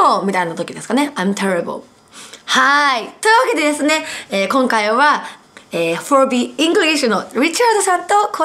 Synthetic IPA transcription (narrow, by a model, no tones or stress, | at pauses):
omʲit̪ainat̪okʲid̪e̞sɨ̥kaneãmt̪ʰeɾibɨ̰ | hait̪o̞iɯ̟βake̞d̪e̞d̪e̞sɨne̞eːkõ̞ŋkaiβa | eːfoɾbiĩŋɡɯɾʲiɡeɕonoɾʲit͡ɕaɾd̪osat̪ːokʰo